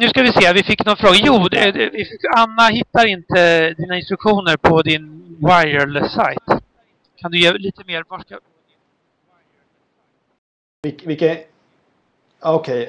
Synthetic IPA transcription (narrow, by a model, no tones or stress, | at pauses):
nʉ̟skavɪseːvɪfɪkːnɔnfɾoːɡajuːd̪ɛd̪ɛvɪfanːaɦɪt̪ːaɾɪnt̪ʰəd̪iːnaɪnst̪ɾɵkɧuːnəɾpʰɔd̪ɪnwajəɭsa̰jt̪ | kʰand̪ɵjeːliːt̪əmeːɾvaʂka | vɪvɪkːə | ɔkʰɛj